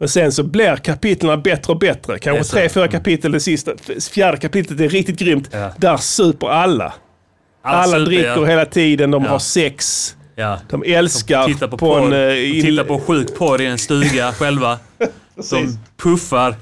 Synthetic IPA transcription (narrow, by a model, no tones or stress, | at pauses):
mɛsɛnsɔblɪɾkʰapɪt̪lanabɛt̪ɾəɔbɛt̪ɾəkʰãnɧət̪ʰɾeːfyːɾakʰapɪt̪ːələd̪ɛsɪst̪afjæːɖəkʰapɪt̪ːlət̪æɾɪk̚t̪ɪt̪̚ɡɾʏmt̪d̪æɾsʉ̟ːpəɾalːa̰ | alːad̪ɾɪkːəɾɦeːlat̪ʰiːd̪ənd̪ɔmhaɾsɛks | d̪̥ɔmɛlskaɾapʰɔɛnɪɪapɔɧʉ̟ːkpʰɔd̪ɪɛnst̪ʉ̟ːɡaɧɛlva | ɔpʰɵfaɾ